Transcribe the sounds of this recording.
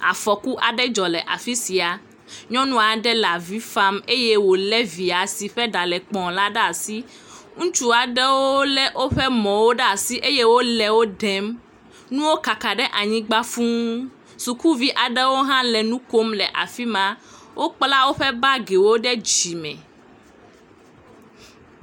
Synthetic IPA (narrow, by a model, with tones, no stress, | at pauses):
a̰˨fɔ˨ku˦ʔa˨ɖɛ˦d͡ʒɔ˨lɛ˨ʔa̰˨fi˦si˨a˨ | ɲɔ̃˦nũ˦a˨ɖɛ˦la˨vi˦fa˦me˦je˦wo˨lɛ˦vi˨a˨si˨ɸɛ˦ɖa˨lɛ˨k͡pɔ̃˨la˦ɖa˨si˦ | ŋũ˦t͡ʃu˦a˨ɖɛ˦wo˦lɛ˦ʔo˦ɸɛ˦mɔ̃˨wo˦ɖa˨si˦ʔe˦je˦wo˦lɛ˨wo˦ɖɛ˨˦m | nũ˦wo˦ka˨ka˨ɖɛ˦ʔa˨ɲĩ˦ɡ͡ba˦fũ˦ | su˨ku˦vi˦ʔa˨ɖɛ˦wo˦ɦã˦lɛ˨nũ˦ko˦mlɛ˨ʔa̰˨fi˦mã˦ | wʔo˦k͡pla˦wo˦ɸɛ˦ba˦ɡe˨wo˦ɖɛ˦d͡ʑi˨mɛ̰̃˨